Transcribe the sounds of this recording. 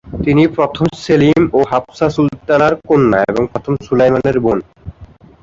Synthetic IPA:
t̪inipɾot̪ʰomselimoɦapsasult̪anaɾkonːa̰ḛboŋpɾot̪ʰomsulejmaneɾbon

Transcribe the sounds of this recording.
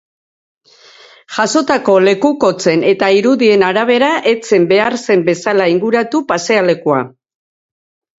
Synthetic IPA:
ʝ̥aso̞t̪ako̞le̞kuko̞t͡se̞ne̞t̪aiɾuðie̞naɾaβ̞e̞ɾaʔe̞t͡se̞mbe̞aɾse̞mbe̞salaiŋɡuɾat̪upase̞ale̞kua

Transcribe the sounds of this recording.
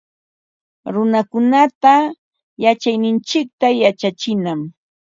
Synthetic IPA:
ɾʊnakʊnat̪a | jat͡ʃajnɪnt͡ʃɪk̚t̪ajat͡ʃat͡ʃɪnam

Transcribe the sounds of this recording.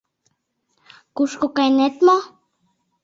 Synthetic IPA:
kuʃkokajnet̪mo

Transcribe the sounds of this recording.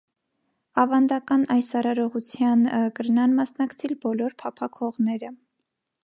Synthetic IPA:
ɑvɑnd̪ɑkɑnɑjsɑɾɑɾɔʁut͡sʰjɑnəkəɾnɑnmɑsnɑkt͡sʰɛlbɔlɔɾpʰɑpʰɑkʰɔʁnɛɾə

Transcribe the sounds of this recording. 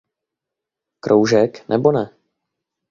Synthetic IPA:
kɾʔowʒɛknʔɛbonɛ

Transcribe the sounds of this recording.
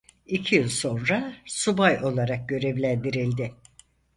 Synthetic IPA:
icʰijɯlˠso̞nɾasubajo̞lˠaɾak̚ɟø̞ɾevlʲænd̪iɾilʲd̪ɪ

